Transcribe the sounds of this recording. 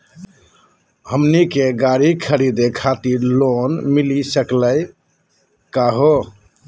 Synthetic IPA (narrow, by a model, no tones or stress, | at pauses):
həmnikeɡaɾikʰəɾid̪ekʰat̪iɾlonmilisəkləj | kaɦo